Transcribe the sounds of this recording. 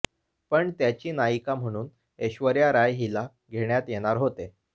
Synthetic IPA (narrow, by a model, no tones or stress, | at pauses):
pəɳt̪jat͡ɕiːnaikam̤əɽ̃uːn | eɕʋəɾjaɾajɦila | ɡʱeɽjat̪jeɽ̃aɾɦot̪e